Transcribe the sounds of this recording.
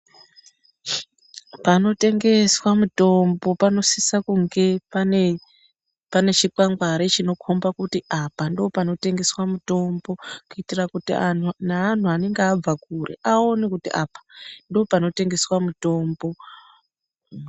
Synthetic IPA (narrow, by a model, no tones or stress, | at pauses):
pano̞te̞ŋɡe̞swamuto̞mbo̞pano̞sisakuŋɡe̞pane | pane̞t͡ʃikaŋɡwaɾet͡ʃino̞kʰombakutiʔapandoːpano̞te̞ŋɡe̞swamuto̞mbo̞kuitirakutiannaːn̤uane̞ŋɡeːb͡vakurḛʔao̞nekutiʔapḁndo̞ːpano̞te̞ŋɡe̞swamuto̞ːmbo̞